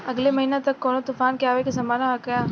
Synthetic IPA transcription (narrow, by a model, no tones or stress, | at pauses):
ɐɡlemɐɦiːnet̪ɐkːɔːnot̪ufaːnkjaːʋekesɐmaːnaɐkɐjaː